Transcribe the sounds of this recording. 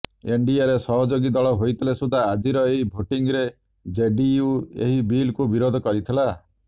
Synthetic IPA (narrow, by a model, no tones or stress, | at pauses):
eɳɖiaɾesɔɦɔd͡ʒoɡid̪ɔɭɔɦojt̪ʰilesud̪ʱaːd͡ʒiɾɔeɦibʱoʈiŋɾe | d͡ʒeɖijuḛɦibilkubiɾod̪ʱɔkɔɾit̪ʰila